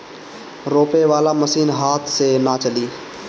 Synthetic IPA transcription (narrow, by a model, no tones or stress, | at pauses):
ɾoːpeːʋaːlaːməsiːnɦaːt̪ʰsenaːt͡ʃəliː